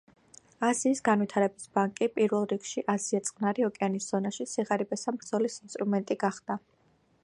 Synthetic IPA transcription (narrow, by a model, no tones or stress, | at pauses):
aziːsɡanwit̪ʰaɾɛbisbaŋkʼipʼiɾvɛlˠɾikʰʃiʔaziat̪sʼqʼnaɾiɔkʼɛanisz̥ɔnaʃit̪siʁaɾibɛsambɾd̪zɔlisinst̪ʼɾumɛnt̪ʼiɡaχd̪̥a